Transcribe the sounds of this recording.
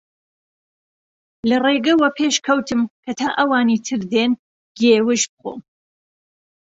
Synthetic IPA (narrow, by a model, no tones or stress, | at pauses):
lɐreːɡɐwɐpʰeːʃkʰɐwt̪ʰɨmkʰɐt̪ʰaːʔɐwaːniːt̪ʰɨɾd̪eːn | ɡeːwɨʃbɨxo̰ː